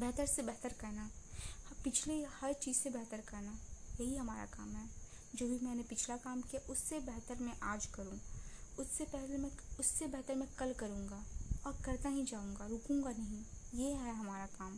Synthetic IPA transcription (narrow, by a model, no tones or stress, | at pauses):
bɛɦt̪əɾsebɛɦt̪əɾkɐɾnaːpɪt͡ʃʰlehɐɾt͡ʃiːzsebɛɦt̪əɾkɐɾnajɐɦiɦɐmaːɾa̰ka̰ːmɦɛː | d͡ʒoːbʱimɛːnepɪt͡ʃʰlakaːmkijaʔʊsːebɛɦt̪əɾmẽʔaːd͡ʒkɐɾũːʊsːepɛɦlemẽʊsːebɛɦt̪əɾmẽkɐlkɐɾũːŋɡaːɔːɾkɐɾt̪aɦĩd͡ʒaːũːŋɡaɾʊːkũːŋɡanɐɦĩjeɦɛɦɐmaːɾakaːm